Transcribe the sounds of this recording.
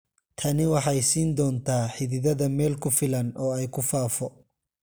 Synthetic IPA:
t̪ʰɐnɪwɑħɑjsiːnd̪ɔːnt̪ʰaːħɪðɪðɐðɐmɛːlkʰʊfɪlɐnɔːɛjkʰʊfaːfɔ

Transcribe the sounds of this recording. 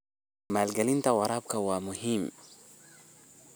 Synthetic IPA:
maːlɡalint̪awɑɾˤɑb̚kawamʊhim

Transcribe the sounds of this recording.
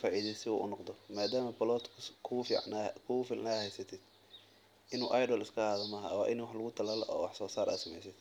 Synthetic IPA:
faːʕiːðɛsɪṵʔʊ̰nɔqd̪ɔmaːd̪aːmɐbɐlɔːt̪kʰʊkʰʊfinkʰʊɣfiːlʔnaːhɛjsɐt̪ʰɪd̪̥ | ʔɪnṵːʔajɖɔːlɪskʰɐaːðɐmɐːɦɐ̰wɑːʔɪnwɑħlɐɣʊt̪ʰɐlalɐʔɔ̰ːwɑħsɔːsaːɾʔa̰ːsɐmɛjsɪd̪

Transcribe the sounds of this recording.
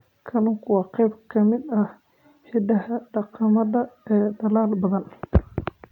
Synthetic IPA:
kʰɐnʊŋkʰʊwɑːqɛjbkʰɐmɪd̪ɐ | ħɪɖɐɦɐɖɑqɑmɐðɐɛːd̪ɐlaːlbɐðɐn

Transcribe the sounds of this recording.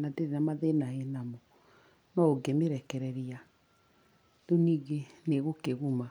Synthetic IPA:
nadeɾenamaðenahenamɔ | nɔoɡemeɾɛkɛɾɛɾia | doniːɡeneɣokeɣuma

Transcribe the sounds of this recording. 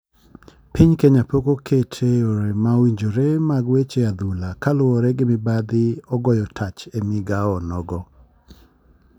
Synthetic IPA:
pɪɲkeɲapokokʰetʰeoɾemawiɲd͡ʒoɾemaɡwet͡ʃead̪ulakalʊɔɾɛɡɪmɪbad̪ɪɔɡɔjɔtʰat͡ʃemɪɡaɔnɔɡɔ

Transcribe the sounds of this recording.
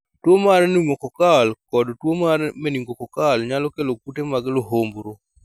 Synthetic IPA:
twomaɾɛniŋokɔkalkɔdtwomaɾɛmɛniŋɡokɔkalɲalɔkelokutemaɡloɦombɾo

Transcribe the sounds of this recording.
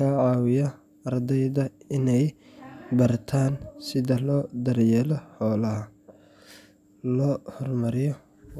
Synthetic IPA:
aːʕɑːwɪjɐ | ɐrd̪ɛjðɐɪnɛj | bɐrt̪ʰaːnsɪðɐlɔːd̪ɐrjɛlɔħɔːlɐhɐ | lɔːhɔrmɐɾɪjɔ

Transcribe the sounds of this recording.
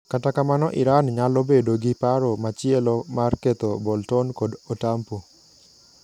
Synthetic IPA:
katakamanɔʔɪɾanɲalobedoɡɪpaɾomat͡ʃɪɛlɔmarket̪obɔltɔnkodotampo

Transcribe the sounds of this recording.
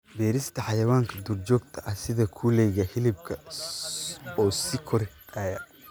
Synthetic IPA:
bɛːɾɪst̪ʰɐħɑjɐwaːŋkʰɐd̪urd͡ʒɔːɡ̚t̪ʰɐʔɐsɪðɐkʰulɛjɣɐhɪlɪb̚kʰɐ | ɔːsɪkʰɔɾ | ɐːjɐ

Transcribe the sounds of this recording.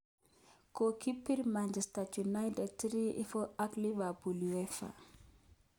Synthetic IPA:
kokipːiɾmand͡ʒɛstatunajdɛtiɾiʔifɔaklivabuliwɛfa̰

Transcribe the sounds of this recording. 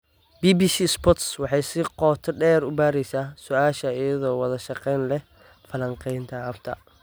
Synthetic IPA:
biːbiːsiːspɔt̪swɑħɑjsɪqɔːt̪ʰɔɖɛːɾʊbaːɾɛjsaːsʊʔaːʃɐɪjɐðɔːwɑðɐʃɑqɛjnlɛ | fɐlɐŋqɛjnt̪ʰɐɐbt̪ʰɐ̰

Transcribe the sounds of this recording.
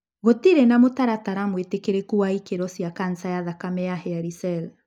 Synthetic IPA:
ɣotiɾenamotaɾataɾamwetekeɾekuwaikeɾɔsiakan̩sajaðakamɛahɛaɾisɛl

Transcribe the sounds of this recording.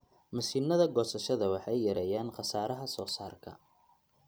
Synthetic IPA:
mɐsiːnːɐðɐɡɔːsɐʃɐðɐwɑħɑjːɐɾɛjaːnqɑsaːɾɐɦɐsɔːsaːrkʰɐ̰

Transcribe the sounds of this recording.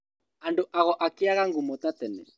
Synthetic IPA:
andoʔaɣɔʔakɪaɣaŋɡumɔtatɛnɛ̰

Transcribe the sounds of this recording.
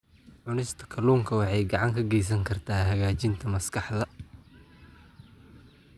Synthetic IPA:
ʕʊnɪst̪ʰɐ̥kʰɐluːŋkʰɐwɑħɑjɡɑʕɑŋkʰɐɡɛjs̬ɐŋkʰɐrt̪ʰaːhɐɣaːt͡ʃɪnt̪ʰɐmɐskʰɑħðɐ

